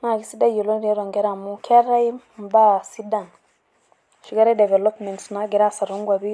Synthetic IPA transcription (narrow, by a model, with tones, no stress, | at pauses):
na˨ɡi˦si˦da˦jo˨lo˦ɾe˦ɾɔ˨ŋɡɛ˦ɾa˨mu˦kʰɛ˦ɾa˦i˦mba˦si˦da˨n | ʃi˨ka˦ɾɛ˦dɛ˨vɛ˨lo˦pmɛ˨ntsna˦ɡɛ˨ɾa˦sa˨ɾo˦ŋɡwa˨βi˦